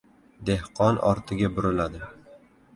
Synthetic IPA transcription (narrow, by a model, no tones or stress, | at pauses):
d̪e̞hqʰɒnɒ̰ɾt̪ʰɪɡʲabʊɾɪlad̪ɪ